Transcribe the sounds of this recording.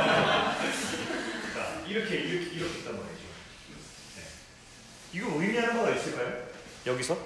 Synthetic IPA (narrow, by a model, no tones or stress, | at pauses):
k͈a̰iɾʌkʰeiɾʌkʰeiɾʌkʰet͈amuned͡ʑo̰ | ne̞̰ | iɡʌɯimiɦanɯnɡʌɡais͈ɯɭkʰajo | jʌɡisʰʌ